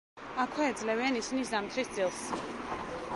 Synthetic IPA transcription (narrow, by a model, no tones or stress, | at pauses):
akʰwɛːd̪zlɛvɛanisinisd̪amt̪ʰɾisd̪zilˠs